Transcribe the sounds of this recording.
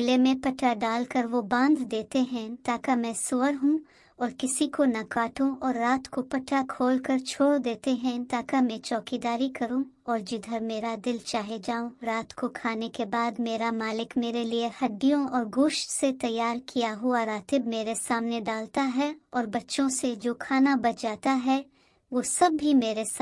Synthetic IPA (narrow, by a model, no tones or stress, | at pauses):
ɪlemẽpɐʈːaɖaːlkɐɾʋobãːnd̪d̪eːt̪eɦɛ̃t̪aːkamɛ̃sʊʋəɾɦũ | ɔːɾkɪsikonɐkaːʈõʔɔːɾːaːt̪kopɐʈʰakʰoːlkɐɾt͡ʃʰoːɽd̪eːt̪eɦɛ̃t̪aːkamɛ̃t͡ʃɔːkid̪aːɾikɐɾũ | ɔːɾd͡ʒɪd̪ʱəɾmeːɾad̪ɪlt͡ʃaːɦed͡ʒaːõɾaːt̪kokʰaːnekebaːd̪meːɾamaːlɪkmeːɾeliehɐɖːijõɔːɾɡʊːʃʈset̪ɐjːaːɾkijaɦʊaɾaːt̪ɪbmeːɾesaːmned̪aːlt̪aɦɛɔːɾbɐtːʃõsed͡ʒoːkʰaːnabɐd͡ʒaːt̪aɦɛ | ʋoːsɐbːimeːɾes